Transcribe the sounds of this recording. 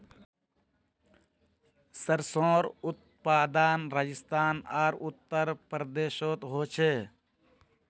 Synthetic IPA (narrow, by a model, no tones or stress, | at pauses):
səɾsõːɾʊt̪̚ | paːd̪aːnɾaːd͡ʒɪst̪aːnaːɾʊt̪ːəɾpɾəd̪eːʃoːt̪ɦoːt͡ʃʰeː